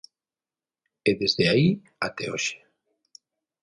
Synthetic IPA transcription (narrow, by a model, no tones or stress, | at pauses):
eðezðeai | at̪ɛoʃe̥